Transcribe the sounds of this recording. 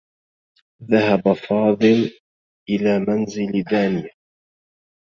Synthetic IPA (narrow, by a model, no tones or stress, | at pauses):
ðahabafɑːðˤɨl | ʔɪlaːmanzɪld̪aːnɪja